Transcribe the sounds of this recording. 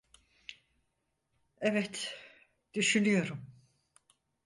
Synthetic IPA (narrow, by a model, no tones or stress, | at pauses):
ɛvɛt̪ | d̪̥yʃynyjo̞ɾum